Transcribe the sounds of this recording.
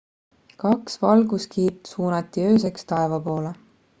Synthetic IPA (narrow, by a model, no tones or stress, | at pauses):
kɑksvɑlɡuskiːt̪suːnɑt̪ːˑiø̞ːs̬e̞kst̪ɑe̞vɑpo̞ːle